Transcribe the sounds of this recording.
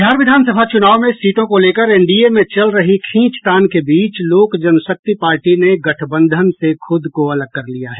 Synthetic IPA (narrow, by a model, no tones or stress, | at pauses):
d̪ʱjaːɾʋɪd̪ʱaːnsəbʱat͡ʃʊnaːʋmẽsiːt̪õkoleːkəɾɛ̃ɳɖiemẽt͡ʃɐlɾɐɦikʰĩːt͡ʃt̪aːnkebiːt͡ʃloːkd͡ʒɐnsək̚t̪ipaːɾʈineɡɐʈʰbə̃nd̪ʱənsexʊd̪ʱkoɐləɡ̚kɐɾlijaɦɛː